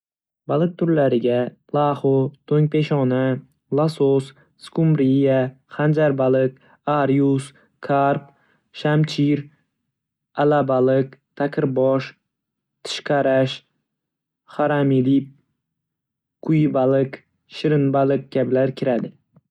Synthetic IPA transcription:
balˠɨq̚t̪ʰʊɾlaɾɪɡʲa | lˠahot̪ʰoŋpe̞ʃɒna | lˠasos | skʊmbɾija | χand͡ʒaɾbalɪq | aɾjus | kʰaɾp | ʃamt͡ʃʰiɾ | alabalɪqt̪ʰakʲʰɪɾbɔʃ | t̪ʰɪ̥ʃqʰɑɾaʃ | χaɾamilip̚ | qʰʊjbalɪq | ʃɪɾɪnbalˠɨq̚kʲablaɾkʲʰɪɾad̪ɪ

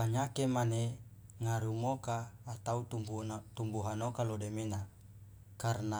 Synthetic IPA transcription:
paɲakemaneŋaɾumokaːt̪auubut̪umbuɦanokalodemina | karna

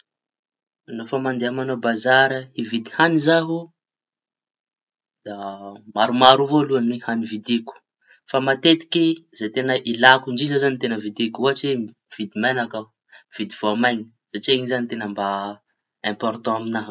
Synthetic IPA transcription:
nofamand̪eamanobazaɾəivid̪i̥hanizaɦu | d̪̥amaɾumaɾuvoluanwehanivid̪iku̥ | famat̪et̪i̥kʲizajt̪enəʔilakuɳɖ͡ʐizəzanit̪enəvid̪ikuaʈ͡ʂi | v̥id̪imenakə | v̥id̪iv̥oamajɲi̥ | z̥at͡ʃeŋizanit̪enəmba | ɛ̃mpɔɾt̪ɔ̃aminaɦ

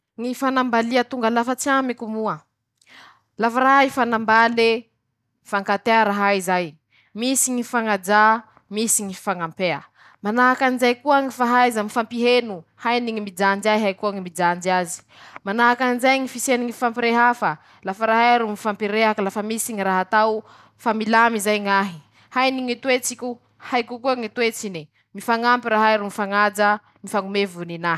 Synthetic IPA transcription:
ŋifanambaliat̪uŋɡalafat͡siamikumuə | lafaɾaɦaifanambale | faŋkat̪eaɾaɦaizaj | misiŋifaŋad͡ʒa | misiŋifaŋampeə̰ | manaɦakanizajkuaŋifaɦaizamifampiɦenuhajniŋimid͡ʒand͡ʒajɦajkuaŋimid͡ʒand͡ʒiazi̥ | manaɦakanizajŋifiseniŋifampiɾeɦafa | lafəɾaɦajɾumifampiɾeɦakalafəmisiɲiɾaɦat̪aw | familamizajŋaɦi | hajniŋit̪wet͡sikʲu | hajkukuaŋit̪wet͡sini | mifaŋampiɾaɦajɾumifaŋad͡ʒa | mifaŋumevunina

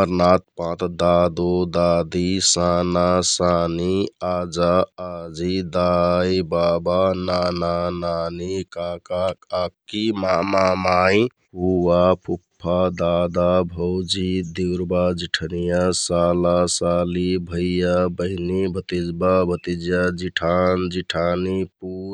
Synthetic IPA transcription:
əɾnat̪̚pãt̪d̪ad̪od̪ad̪isanasaniad͡ʒaːd͡ʒid̪ajbabananananikakakakːimamamai | ɦuwapʰupʰːad̪ad̪abʱəwd͡ʒid̪iwɾbad͡ʒiʈʰənijasalasalibʱəjjabəɦnibʱət̪id͡ʒbabʱət̪id͡ʒjad͡ʒiʈʰand͡ʒiʈʰanipu

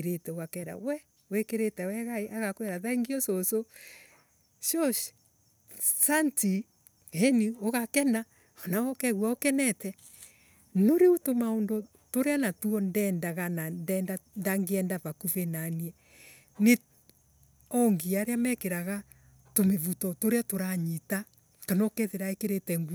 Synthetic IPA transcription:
ɾetɛoɣakɛːɾa̰wɛ | wekeɾetɛwɛɣaeʔaɣakwɛɾaðaiŋɡiɔsoso | ʃoʃ | santi | ɛnioɣakɛna | ɔnawɔkɛɣwaokɛnɛtɛ | noɾeutomaondo | toɾeanatuɔndɛːndaɣanandɛndandaŋɡeɛndaβakuβenaniɛ | ne | ɔŋɡiaɾeamɛkeɾaɣa | tomeβutɔtoɾeatoɾaɲita | kanɔkɛðeɾaekeɾetɛŋɡu

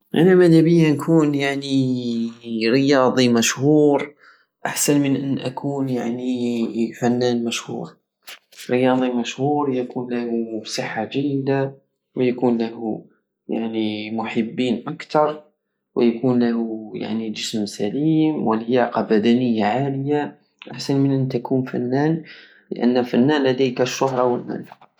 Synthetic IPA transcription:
ʔænæmæd̪æbəjːankʰuːnjaʕni | ɾəjɑːd̪ˤimæʃhuːɾ | ʔa̰ħsænmənʔənːʔækʰuːnjaʕnifænːæːnmæʃhṵːɾ | ɾəjɑd̪ˤimæʃhuːɾjækunlæhusˤəħːaʒæjːd̪a | wəjækunlæhu | jaʕnimʊħəbːiːnʔakt̪ɑɾˤ | wəjækunlæhuja̰ʕnid͡ʒəsmsæliːmwələjɑqɑbæd̪ænəjːaʕaləja | ʔaħsænmənʔənt̪ækʰunfæ̰nːæn | lə̰ʔæ̰nːfænːænlæd̪ijkæʃːʊɦɾˤɑwəlmæ̰l

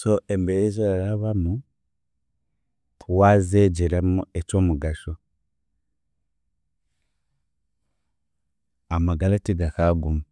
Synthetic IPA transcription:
soembeɾezoɾaɾaβamu | tʰuwazeɟiɾemuet͡ʃoːmuɡaʃo | amaɡaletiɡakaɡuma

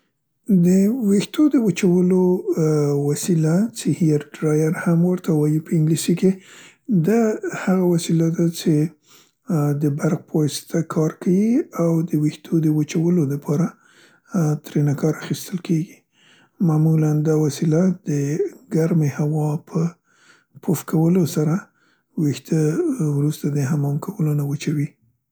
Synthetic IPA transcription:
d̪əwext̪od̪əwat͡ʃawəlo | wasilat͡ʃehijaɾɖɾɑjaɾhamwəɾt̪awɑjipəɪŋɡlisike | d̪ahaɣawasilad̪at͡ʃe | d̪əbaɾɣpəwɑsɪ̥t̪ʰakʰɑɾkʰawiawd̪əwixt̪ʰod̪əwat͡ʃawəloləpʰɑɾa | t̪ɾenakɑɾaxist̪əlkeɡi | mamuland̪ɑwasilad̪əɡaɾmehawɑpʰə | pʰofkʰawəlosaɾa | wixt̪əwɾust̪ad̪əɦamɑmkʰawəlonawət͡ʃawi

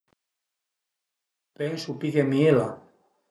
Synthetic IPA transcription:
pɛnsupikemiela̰

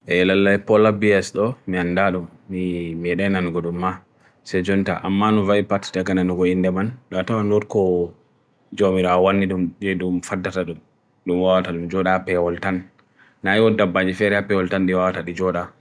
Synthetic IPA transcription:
ʔɛlalːajpɔlabiɛsɗɔmiandaɗɔmmimɛɗananɡɔɗumːa | sɛd͡ʒɔnta̰ʔamːanɔvaipattaɡananɔɡɔindɛmanɗɔtawanɔtkɔ | d͡ʒomiɾaɔwanːiɗumd͡ʒɛɗumfadːataɗum | ɗumwawataɗumd͡ʒɔɗapɛwɔltanː | ajiwɔdabːad͡ʒifɛɾɛapɛwɔltanɗiwawataɗid͡ʒɔɗa

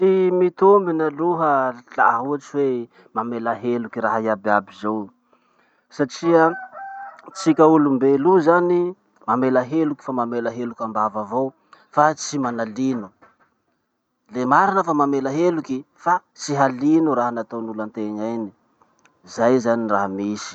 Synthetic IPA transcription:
t͡simit̪ombinəluɦəla̰ɦuaʈ͡ʂiwe | mamelaɦelukiraɦaiababizow | saʈ͡ʂiə | t͡sikʲaulumbeluzani | mamelaɦelukʲi̥famamelaɦelukʲambavavow | fat͡simanalinu | lemaɾinəfamamelaɦeluki | fa | t͡siɦalinuɾaɦanat̪onulant̪eŋajni | zajzaniraɦamisi̥

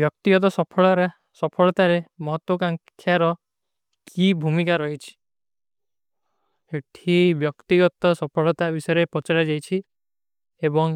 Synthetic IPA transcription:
bjɔkt̪iɡɔt̪̬ɔsɔpʰɔɭɔɾa | sɔpʰɔɭɔt̪aɾemɔɦɔt̪wɔkaŋkʰjaɾɔ | kʰibʱumikaɾɔɦit͡ʃʰi̥ | eʈʰibjɔkt̪iɡɔt̪ɔsɔpʰɔɭɔt̪abisɔjɔɾepɔt͡ʃaɽad͡ʒajt͡ʃʰi | ebɔŋ

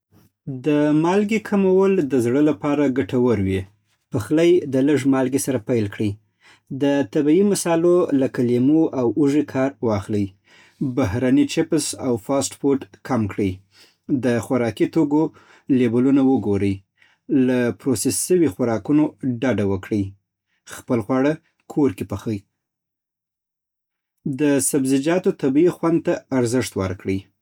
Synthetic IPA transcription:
d̪əmɑlɡekʰamawəld̪əzɽəlapɑɾaɡaʈawəɾwi | pəxlajd̪ələʐmɑlɡesaɾapajlkɽi | d̪ət̪abiimasɑlolakalemoʔawuʒikʰɑɾwɑxləj | bahɾanit͡ʃɪpsa̰wfɑsʈfoʈkʰamkɽəj | d̪əxaɾɑkit̪oɡo | lebʊlunawəɡoɾəj | lapɾosesːəwixaɾɑkunoɖaɖawəkɽəj | xpəlxwɑɽa | kʰoɾkepəxəj | d̪əsabzɪd͡ʒɑt̪ot̪abiixwand̪̚t̪aːɾzɪʂt̪wə̰ɾkɽə

